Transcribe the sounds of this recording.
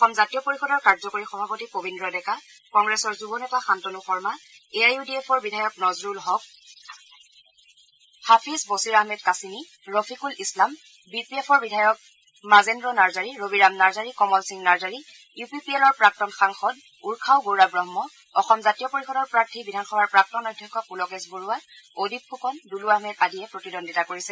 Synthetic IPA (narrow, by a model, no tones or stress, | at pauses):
ɔxɔmzatijɔpoɹixɔdɔɹkaɹzɔkoɹixɔbʱapotipobindɹɔdɛka | kɔŋɡɹɛsɔɹzubɔnɛtaxantonuxɔɹma | eajudiepʰɔɹbidʱajɔknɔzɹulɦɔk̚ | hapʰizbosiɹaɦmɛdkasini | ɹofʰikulislam | bipiepʰɔɹbidʱajɔk̚ | mazendɹɔnaɹzaɹiɹobiɹamnaɹzaɹikɔmɔlsiŋnaɹzaɹi | jupipielɔɹpɹak̚tɔnxaŋxɔd | uɹkʰawɡoɹabɹɔɦmɔ | ɔxɔmzatijɔpoɹixɔdɔɹpɹaɹtʰibidʱanxɔbaɹpɹak̚tɔnɔjdʱːɔkʰːɔpulɔkɛsboɹuwaodip̚xukɔnduluaɦmɛtadijɛpɹotidondʱitakoɹisɛ